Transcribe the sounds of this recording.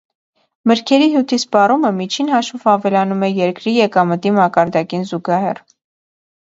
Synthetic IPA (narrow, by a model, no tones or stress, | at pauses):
məɾkʰɛɾiɦjut̪ʰispɑruməmit͡ʃʰinɦɑʃvɔvɑvɛlɑnumɛjɛɾkɾijɛkɑmət̪imɑkɑɾd̪ɑkinzuɡɑɦɛ̰r